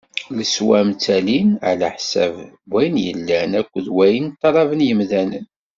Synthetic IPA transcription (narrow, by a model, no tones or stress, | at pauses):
ləswæmt͡sːælinʕlæħsæv | bæjnjə̰lːænækʷːəðwæjənt̪ˤːɑɾˤɑvənjəmðænən